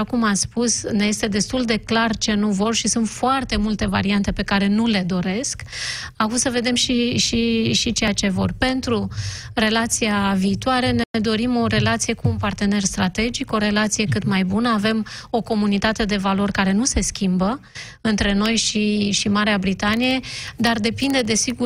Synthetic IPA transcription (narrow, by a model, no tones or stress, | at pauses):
akumaspusne̞je̞st̪e̞d̪e̞st̪uld̪e̞klart͡ʃe̞nuvo̞rʃisunt̪foart̪e̞mult̪e̞va̰ɾiant̪e̞pe̞kaɾe̞nule̞d̪o̞ɾe̞sk | akumsəve̞d̪e̞mʃiʃiʃit͡ʃe̞jat͡ʃe̞vo̞rpe̞nt̪ɾu | re̞lat̪sijaviːt̪waɾe̞need̪o̞ɾimo̞ɾe̞lat̪sije̞kuːnpart̪e̞ne̞rst̪ɾat̪e̞d͡ʒiko̞ɾe̞lat̪sije̞kɨt̪majbunəave̞mo̞ko̞munit̪at̪e̞d̪e̞valo̞rkaɾe̞nuse̞skʲimbə | ɨnt̪ɾe̞no̞jʃiʃimaɾeabɾit̪anije̞d̪ard̪e̞pind̪e̞d̪e̞siɡu